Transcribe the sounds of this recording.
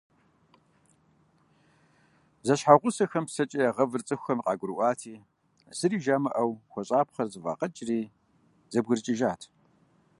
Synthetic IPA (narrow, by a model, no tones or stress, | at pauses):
zɐɕħaʁʷʊsɐxɐmpsɐt͡ʃʼɐjaʁɐvɨrt͡sʼɨxʷɐmqʼɑ̰ːɡʷʊɾɨʔʷɑːtʰiː | z̥ɨɾiːʒaːmɐʔɐwxʷɔɕʼaːpχɐrzɨva̰ːqɐt͡ʃʼriː | zɐbɣɨrt͡ʃʼɪʒaːtʰ